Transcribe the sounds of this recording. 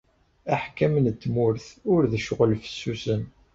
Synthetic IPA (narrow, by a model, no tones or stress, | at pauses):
æħkæmnət̪ːmʊɾθʊɾðəʃʁəlfə̥sːusən